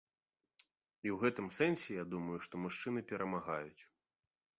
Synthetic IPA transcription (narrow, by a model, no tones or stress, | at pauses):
iwɣɛt̪ɨmsɛnsʲɛjad̪umɐjuʂt̪ɔmuʂt͡ʂɨnɨpʲɛɾɐmaɣajut͡sʲ